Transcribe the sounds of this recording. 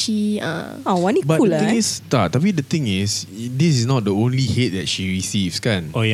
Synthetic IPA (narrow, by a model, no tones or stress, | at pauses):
ʃiã̰ | awãnibakultɪ̃ŋistat̚ːabidət̪ɪ̃ŋɪsdisɪsnɔt̚dəõnlihet̚dɛt̚ʃiɹisivskãnoj